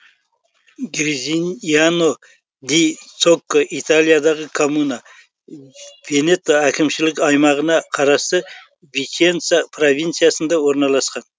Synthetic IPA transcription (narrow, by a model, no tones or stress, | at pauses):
ɡɾizinano | d̪ijt̪sokːoʔit̪alʲˠijad̪ɑʁəkʰo̞munɑ | ve̞ne̞t̪ːoækʲɪmʃɪlɪkʲɑjmɑʁənɑqʰɑɾɑst̪ə | vikʲent̪sapʰro̞vʲint̪sɨjasənd̪ɑwo̞ɾnɑlˠɑsqɑn